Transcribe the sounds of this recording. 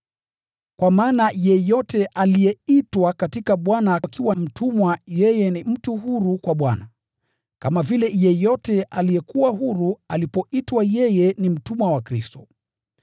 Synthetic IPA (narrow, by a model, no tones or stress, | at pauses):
kwamaːnajɛjɔtɛʔalijɛitwakatikaɓwanakiwam̩tumwajɛjɛnim̩tuɦuɾukwaɓwa̰na | kamavilɛjɛjɔtɛʔalijɛkuwaɦuɾualipɔitwajɛjɛnim̩tumwawakɾistɔ